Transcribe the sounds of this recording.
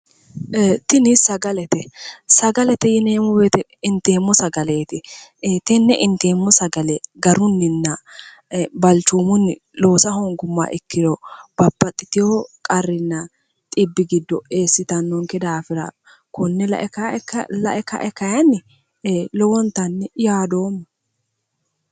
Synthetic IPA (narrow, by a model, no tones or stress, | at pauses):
t̪ɪnɪsɐɡɐlɛt̪ɛsɐɡɐlɛt̪ɛjɪneːmɔbeːt̪ɛ | ɪnt̪e̞ːmːɔsɐɡɐleːt̪ɪt̪ɛnːɛʔɪnt̪eːmːɔsɐɡɐlɛɡɐɾʊnːɪnːɐ | bɐlt͡ʃːuːmʊnːɪ | loːsɐhɔŋɡʊmːa̰ʔɛkːɪd̪ɔb̥ɐbːɐt̪ʼːɪt̪ɪjokʼɐrːɪnːɐ | t̪ʼɪbːɪɡɪd̪ːɔeːsːɪt̪ɐnːɔŋkɛd̪aːfɪɾa̰ | kʊnːɛlɐ̰ʔkːlɐ̰ʔɛkɐ̰ʔɛkɐjɐnːɪ | lɔwɔnt̪ɐnːɛjaːd̪oːmːɐ